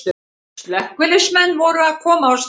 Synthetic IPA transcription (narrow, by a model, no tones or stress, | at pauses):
slɛhkvɪlɪsmɛnːvɔɾʏaðkʰɔːmaws